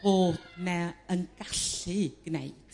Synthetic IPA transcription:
oːnɛənɡ̥aɬɨɡ̥nḛjt

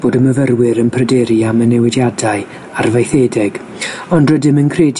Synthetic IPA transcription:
b̥oːdəməvərwɪɾənpʰrədɛɾiamənɛwɪdjadaɨ | arvajθeːdɛɡ̥ | ɔndrədɪmənkʰreːd

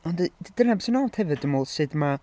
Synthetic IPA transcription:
ɔndədid̥ənabsənɔd̥hɛvɨdəmoːlˠsɨdma

